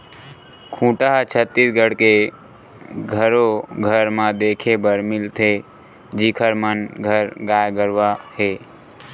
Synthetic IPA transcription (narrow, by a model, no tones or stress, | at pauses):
kʰũːʈaɦt͡ʃʰət̪ːɪɾɡəɽke | ɡʱəɾoɡʱəɾmãd̪eːkʰebəɾmɪlt̪ʰe | d͡ʒikʰəɾmənɡʱəɾɡaːjɡəɾʋahe